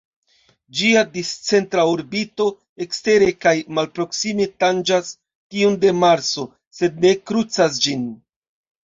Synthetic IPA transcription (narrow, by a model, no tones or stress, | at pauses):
d͡ʒiadist͡se̞ntɾaoɾbito̞ | e̞kste̞ɾe̞kajmalpɾo̞ksime̞tand͡ʒas | tiunde̞maɾt͡so̞ | se̞d̚ne̞kɾut͡sas̬d͡ʒin